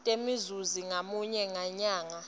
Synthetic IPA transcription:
tʼemizuziŋamuɲɛŋaɲaːŋa

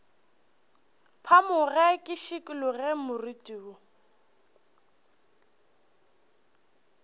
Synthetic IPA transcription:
pʰamʊɣɛkʼɪʃɪkʼɪlʊɣɛmʊritʼiːʊ

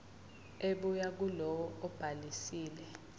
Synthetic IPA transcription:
eɓujak̬ulɔwɔɔb̥ʱalisiːlɛ

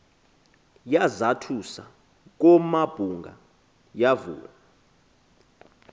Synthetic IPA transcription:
jazatʰusa | k̬ɔmab̥ʱuŋɡʱa̰ | javṵːla

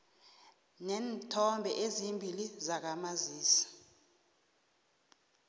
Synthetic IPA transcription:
nɛːntʰɔmbʱɛ̰ʔezimbʱilizak̬amaziːsḁ

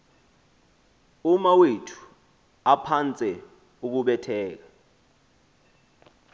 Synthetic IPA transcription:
umawetʰu̥ | apʰant͡sʼɛ | uk̬uɓɛtʰɛːk̬ḁ

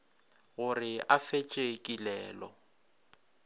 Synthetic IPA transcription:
ɣʊrɪʔafet͡ʃʼekʼilɛːlɔ

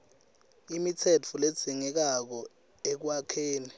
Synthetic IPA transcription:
imitʰɛt͡fʰuled̥z̥ʱiŋɛk̬ak̬ɔ | ek̬wakʰeːni

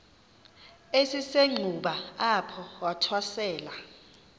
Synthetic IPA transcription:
esiseŋ͡ǀʱuɓaapʰɔwatʰwasɛːla

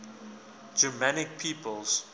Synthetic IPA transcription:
d͡ʒəmanɪk̚pʰiːpəlz

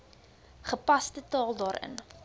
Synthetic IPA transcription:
χəpɐstətɑːlˠdɑːɾə̰n

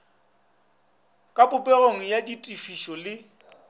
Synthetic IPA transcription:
kʼapʼʊpʼɛroŋ̩jaditʼifiʃɔlɪ

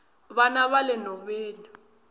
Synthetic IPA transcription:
βanaβalɛnɔɓeːni

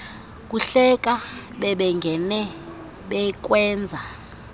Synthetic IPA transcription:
k̬ʼuɬɛk̬ʼaɓɛɓɛŋɡʱɛnɛ | ɓɛk̬ʼwɛːnd͡zʱa

